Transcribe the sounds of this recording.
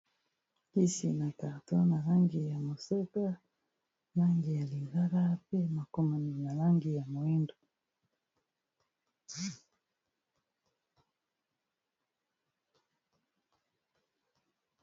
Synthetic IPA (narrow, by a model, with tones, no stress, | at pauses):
i˦si˨na˨ka˨tɔ˦na˨la˦ŋɡi˨ja˨mo˨sɛ˦ka˦ | na˦ŋɡi˨ja˨li˨ɡa˦ɾa˦pɛ˦ma˨kɔ˦ma˨ni˨na˨la˦ŋɡi˨ja˨mo˨i˦ndo˨